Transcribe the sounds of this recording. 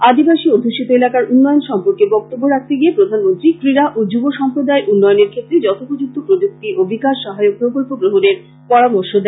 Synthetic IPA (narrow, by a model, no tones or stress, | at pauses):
ad̪ibaʃiod̪ʱuʃit̪oelakaɾunːɔjonʃɔmpoɾkebɔk̚t̪obːoɾak̚t̪ʰeɡiepɾod̪ʱanmont̪ɾikɾiɾaʔod͡ʑuboʃɔmpɾod̪aeʔunːɔjoneɾkʰet̪ːɾed͡ʑɔt̪ʰopod͡ʑuk̚t̪ʰopɾod͡ʑok̚t̪iʔobikaʃʃɔɦaeok̚pɾokolpoɡɾoɦoɾeɾ | pɔɽamoɾʃod̪ɛ